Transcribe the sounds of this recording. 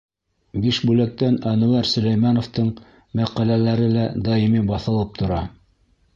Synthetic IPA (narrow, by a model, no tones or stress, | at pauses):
biʃbʉlæk̚t̪ænænŭæɾsɵ̆læjmɑnŏft̪ɤɴ | mæqælælæɾɘlæd̪ɑimibɑθɤ̆lˠɤp̚t̪ʰŏɾɑ